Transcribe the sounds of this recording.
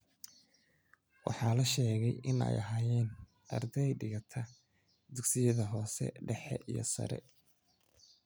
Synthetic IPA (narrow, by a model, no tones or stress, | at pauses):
wɑħɑːlɐʃɛːɣɛjʔɪnɛ̰jɐɦaːjɛːn | ʔɐ̰rd̪ɛjɖɪɣɐt̪ʰɐ | d̪ʊɡsɪjɐðɐɦɔːsɛ̰ɖɛħɛʔijɞ̰sɐ̰ɾɛ̰